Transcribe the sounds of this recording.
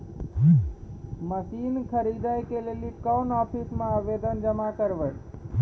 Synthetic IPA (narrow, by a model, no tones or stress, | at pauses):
məsinkʰəɾid̪ajkelelikəwnɔpʰismeabed̪ənd͡ʒəmakəɾbəj